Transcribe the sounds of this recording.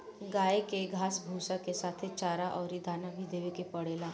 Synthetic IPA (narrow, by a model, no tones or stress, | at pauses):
ɡaːekeɡʱaːsbʱuːsakesaːt̪ʰet͡ʃaːɾaʔɔːɾid̪ʱaːnabʱid̪eːʋekepɐɽ̤eːlaː